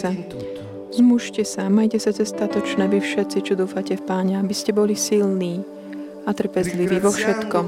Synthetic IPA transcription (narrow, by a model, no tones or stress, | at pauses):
a | zmuʃcɛsamajcɛsat͡sɛst̪at̪ɔt͡ʃnɛːʋifʃɛt̪t͡sit͡ʃɔd̪uːfacɛfpaːɲɛabiscɛbɔlisilniː | at̪r̩pɛzliʋiːʋɔfʃɛt̪kɔm